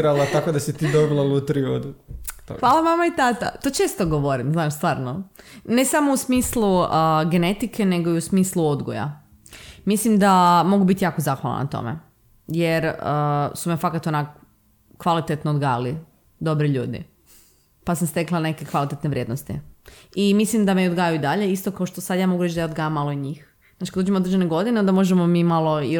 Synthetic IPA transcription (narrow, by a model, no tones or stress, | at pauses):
ɾalˠat̪akod̪asit̪iːd̪obilˠalut̪ɾiod̪uxʋaːlˠaʋamait̪at̪a̰t̪oːt͡ʃe̞ːst̪oɡoʋoɾimznaːʃst̪ʋaːɾnone̞samousmiːslˠuəɡe̞ne̞t̪ike̞ne̞ɡoiusmiːslˠuo̞d̪ɡo̰ja̰ | mislimd̪amo̞ɡubit̪ijaːkozaːxʋalˠa̰na̰t̪o̞̰mḛ | jeɾəsumefakat̪onako | kːʋalit̪et̪noːd̪ɡaːjali | d̪o̞bɾiʎṵːd̪ḭ | pasamst̪e̞klˠane̞kekʋalit̪et̪neʋɾje̞ːd̪nost̪ḭimislimd̪ameiod̪ɡaːjuid̪aʎe̞ist̪o̞kaoʃt̪osad̪jaːmo̞ɡuɾet͡ʃd̪ajaod̪ɡajamːalˠo̞iɲiːx | znat͡ʃi̥kad̪od͡ʒemood̪ɾd͡ʒe̞neɡo̞d̪ineond̪amo̞ʒemomimalˠoi